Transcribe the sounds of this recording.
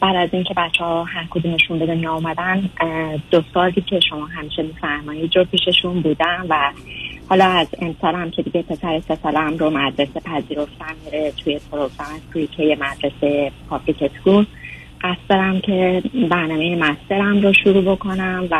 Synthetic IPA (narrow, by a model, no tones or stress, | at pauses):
bæːd̪æziŋcʰe̞bæt͡ʃʰːehɒhæɾkʰo̞d̪umne̞ʃunbed̪emiɒumæd̪ænd̪̥osɒɾd̪iːcʰe̞ʃo̞mɒːɦæmiːʃe̞miːfæɾmɒiːd̪ɾopʰiːʃe̞ʃunbuːd̪ænvæhɒːlɒːæze̞msɒːlæmcʰe̞d̪iɟe̞pʰe̞sæɾesesælæmɾomæd̪ɾe̞sepʰæziːɾo̞ft̪ænmiɾet̪ʰujepʰoɾoɡɾɑmeskʰuicʰejemæd̪ɾe̞sepʰɒbɾicʰeskul | ɢæst̪d̪ɒɾæmcʰe̞bæɾnɒːmejemæst̪e̞ɾæmɾoʃuɾuːbo̞kʰo̞næmvæ